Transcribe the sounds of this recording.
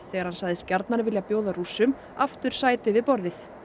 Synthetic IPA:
θɛːɣaɾ̥hansajðɪst̪̚caɾt̪naɾɪvɪljapjoːwðaɾusːʏm | aft̪ʏɾ̥saːjt̪ɪvɪðpɔɾðɪθ

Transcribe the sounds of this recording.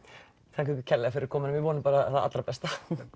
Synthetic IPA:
θʰaŋkɛkɪcʰɛlɛɣafɪɾɪɾ̥kʰɔːmɪnʏmvɪvɔːnɪpaːɾaθaa̰t̪ɾapɛst̪a

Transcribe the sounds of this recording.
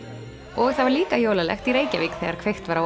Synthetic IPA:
ɔɣθavaɾliːkajowlalɛ̰xt̪iɾeːjcaviːkθɛɣaɾkʰvejxt̪vaɾa

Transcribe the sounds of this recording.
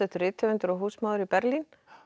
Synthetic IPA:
ɛht̪ʏrɪːt̪ʰɛvɪnt̪ʏɾɔɦuːsmaːðʏɾipɛɾlin

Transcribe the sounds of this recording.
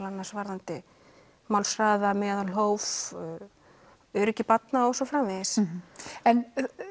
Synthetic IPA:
lanːḁsvaɾðant̪ɪ | mawlsraːðamɛːðaɦoːwv | œɾʏcɪpat̪naɔɣsɔfɾaːmɪðɪs | ɛn

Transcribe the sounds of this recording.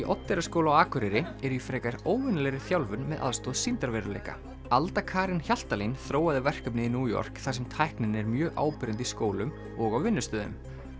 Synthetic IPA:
iʔɔt̪ːɛɾaskowlawaːkʏɾɪɾɪɛɾifɾɛːkaɾoːwvɪnlɛɾɪθjawlvʏnmɛðʔa̰ðst̪ɔːðsint̪aɾvɛɾalḛjka̰ | alt̪akʰaːɾɪnçjal̥t̪alinθɾoːwaðɪvɛr̥kœp̬nɪinuːjɔ̰r̥kθasɛmt̪ʰajhknɪnɛɾmjœːɣʔa̰ːwpɪɾʏnt̪iskoːwlʏm | ɔɣawvɪnːʏst̪œːðʏnʏ̰m

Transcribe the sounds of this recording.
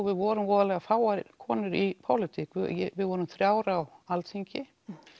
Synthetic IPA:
vɪðvɔɾʏmvɔːðalɛɣafaːwakʰɔːnʏɾipʰɔlɪt̪ʰikvjvɪðvɔːɾʏmθɾjaːwɾawalt̪ʰiɲcɪ

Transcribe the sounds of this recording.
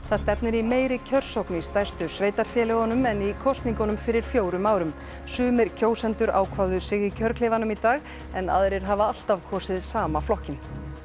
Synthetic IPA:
θaðst̪ɛpnɪɾimeːjɾɪcʰœr̥sowknɪist̪ajst̪ʏsveːjt̪aɾ̥fjɛːlɛɣɔnʏmɛnikʰɔst̪niŋkɔnʏmfɪɾɪɾ̥fjoːwɾʏmaːwɾʏm | sʏːmɪɾ̥cʰoːwsɛnt̪ʏɾa̰ːwkʰvaðʏsɪɣicʰœɾkʰleːvanʏmit̪aːɣ | ɛna̰ðɾɪɾ̥ɦavaal̥t̪avkʰɔːsɪðsaːmaflɔhcɪn

